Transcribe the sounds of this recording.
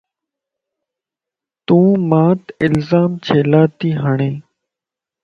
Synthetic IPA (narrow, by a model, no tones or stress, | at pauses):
t̪ũːmãːt̪ɪlzaːmt͡ʃʰeːlaːt̪iːɦəɳẽː